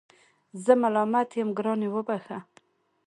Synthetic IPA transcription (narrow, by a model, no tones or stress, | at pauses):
zəmalɑmat̪jamɡɾɑnewəbaxa